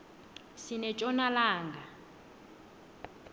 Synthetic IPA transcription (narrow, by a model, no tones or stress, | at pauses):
sinɛt͡ʃʼɔnalaːŋɡa